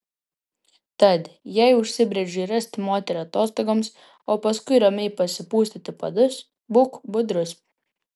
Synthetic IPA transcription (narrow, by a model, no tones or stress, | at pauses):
t̪ɐt̪jɛɪʊʃʲsʲɪbʲɾʲɛd͡ʒʲiːɾɐsʲt̪ʲmoːt̪ʲɛɾɐt̪oːst̪ɔɡoms | oːpɐskʊɪɾɐmʲɛɪpɐsʲɪpuːsʲt̪ʲɪt̪ʲɪpɐ̰d̪ʊs | bukbʊd̪ɾʊs